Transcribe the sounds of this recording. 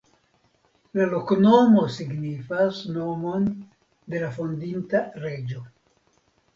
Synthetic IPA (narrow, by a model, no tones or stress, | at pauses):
lalo̞knomo̞siɡnifasno̞mo̞n | de̞lafo̞ndintaɾe̞d͡ʒo̞